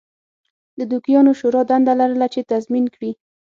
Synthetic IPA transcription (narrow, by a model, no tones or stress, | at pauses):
d̪əd̪ukijɑnoʃoɾɑd̪and̪alaɾəlat͡ʃet̪azminkɽi